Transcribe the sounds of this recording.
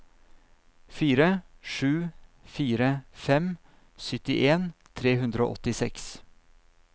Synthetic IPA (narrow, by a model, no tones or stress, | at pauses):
fiːɾəʂʉːfiːɾəfɛm | sʏt̪ɪʔeːnt̪ʰɾeːhʉnd̪ɾəo̰ːʔɔt̪ɪsɛks